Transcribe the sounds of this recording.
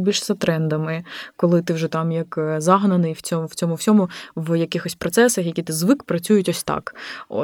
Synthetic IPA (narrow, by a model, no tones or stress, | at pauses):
bʲilʲʃzɐt̪ɾɛnd̪ɐmɪkɔlˠɪt̪ɪwʒɛt̪ɑmjɐkzɑɦnɐnɪjwt͡sʲɔmw̥t͡sʲɔmʊwsʲɔmʊwjɐkɪxɔsʲpɾɔt̪sɛsɐxjɐkʲit̪ɪzʋɪkpɾɐt͡sʲujʊtʲɔsʲt̪ɑ̰kɔ̰